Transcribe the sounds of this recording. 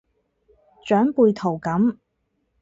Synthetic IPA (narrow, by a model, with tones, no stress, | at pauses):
t͡ʃœː˨˥ŋpuː˧jt̪ʰo˨˩wkɐ˨˥m